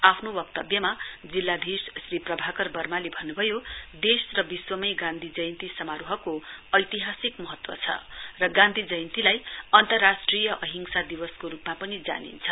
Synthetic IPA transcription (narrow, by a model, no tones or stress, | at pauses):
apʰnobʌk̚t̪ʌbjʌmad͡zilːad̪ʱissriprʌbʱakʌrbʌrmalebʱʌnːubʱʌjod̪esrʌbiswʌmʌjɡãnd̪ʱid͡zʌjnt̪isʌmaɾuɦʌkoʌjt̪iɦasikmʌɦʌt̪wʌ̰t͡sʰʌ̰rʌɡãnd̪ʱid͡zʌjnt̪ilajʌnt̪ʌrːasʈrijʌʔʌɦiŋsad̪ibʌskoɾupmapʌnid͡za̰nḭnt͡sʰʌ